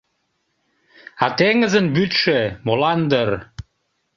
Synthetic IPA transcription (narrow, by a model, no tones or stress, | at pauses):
ɑt̪eŋəzənbyt̪ʃemolɑnd̪ər